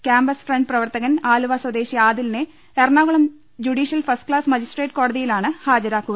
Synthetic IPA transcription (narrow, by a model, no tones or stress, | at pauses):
kʲaːmbɐsfreɳɖprɐʋɐrt̪ɐɣɐnaːluʋɐswɐd̪e̞ːɕiaːd̪ilne | erɳaːɣɐɭɐm | d͡ʑuɽiːɕjɐlfɐrsʈkɭaːsmɐd͡ʑisʈreːʈko̞ːɽɐðijilaːɳɨhaːd͡ʑɐɾaːkːuɣɐ